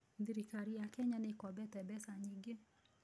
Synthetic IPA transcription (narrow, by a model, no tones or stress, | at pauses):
ðiɾikaɾijakɛɲanikɔbɛtɛbɛsaɲiŋɡi